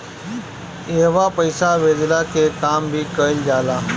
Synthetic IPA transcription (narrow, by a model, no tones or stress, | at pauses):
ɪɦʋapəɪsaʋeːd͡ʒlakekaːmbʱiːkəɪld͡ʒaːlaː